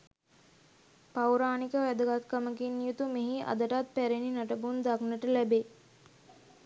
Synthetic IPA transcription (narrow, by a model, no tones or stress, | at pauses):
pawɾaːnikəʋæd̪əɡat̪kəməkinːijut̪umeɦiʔa̰d̪əʈat̪̚pæɾeninaʈəbund̪aknəʈəlæbe